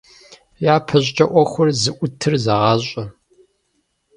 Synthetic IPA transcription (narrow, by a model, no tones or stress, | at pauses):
jaːpʰɐʑʼt͡ʃʼɐʔʷɔxʷʊrzɨʔʷʊtʰɨrzɐʁɑːɕʼɐ